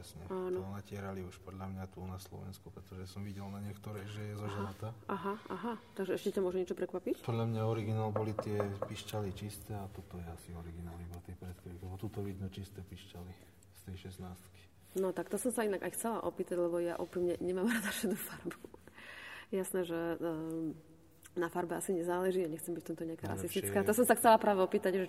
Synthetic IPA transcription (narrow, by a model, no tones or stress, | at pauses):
ɛsɲɛ̰aːnɔnacɪɛɾaliuʃpɔd̪ʎamɲat̪uːnaslɔ̰ʋɛ̰nskupɾɛt̪ɔʒɛsɔmʋiɟɛlnaɲɪɛkt̪ɔɾɛjʒɛjɛzɔʒɛɾat̪aʔaɦaʔaɦat̪aɡʒɛɛʃcɛcamʊɔʒɛmɲɛt͡ʃɔpɾɛkʋapicpɔd̪lʎamɲaɔɾiɡinaːlbɔlit̪ɪɛpiʃcalit͡ʃist̪ɛat̪ɔt̪ɔjɛasiɔɾiɡinaːlibat̪ɪɛpɾɛt̪kɔʋilɛbɔt̪uːt̪ɔʋid̪nut͡ʃist̪ɛpiʃcali | st̪ɛjʃɛsnaːst̪ki̥ | nɔt̪akt̪ɔsɔmsainaɡa̰jxt͡sɛlaʔɔpiːt̪aɟlɛbɔjaʔɔpimɲɛɲɛmaːmɾad̪afʃɛd̪ufaɾbu | jɛjasnɛːʒɛ | nafaɾbɛasiɲɛzaːlɛʒiːaɲɛxt͡sɛmbicft̪ɔmt̪ɔɲɛakaːɾa̰sist̪it͡skaːt̪ɔsɔmsaxt͡sɛlapɾaːʋɛɔpiːt̪aɟʒɛ